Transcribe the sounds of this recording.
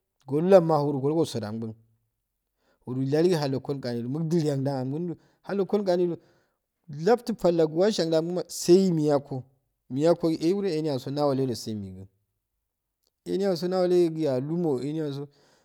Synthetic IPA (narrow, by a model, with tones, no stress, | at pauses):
ɡo˨lu˦la˦ma˨hu˨ɾu˨ɡo˨lɡo˦˨so˨da̰˨ŋbu˦n | wu˨ɾu˨la˦li˦ɡi˦ɦa˨lo˨ko˦kʼa˨ni˨du˨mu˦ɡdi˨lja˨ŋda˦ŋa˨mɡu˦n˦du˦ | ha˨lːo˨ko˦n˦kʼa˨ni˦lu˨ | la˦bti˦pa˨lːa˨ɡu˨wa˦ʃa˨ŋda˨mɡu˦a˨sa˦i˦mi˨ja˦ko˨ | mi˨ja˦ko˦i˦˨ʔe˦wu˦ɾe˦e˨˦ni˦ja˨so˦na˦wo˨le˦do˨sa˦i˨mḭ˨ɡə˨ | ḛ˨ni˦ja˨s̬o˦na˦wa˨le˦ɡi˨ja˨lu˦mo˨e˦ni˦ja˨s̬o˦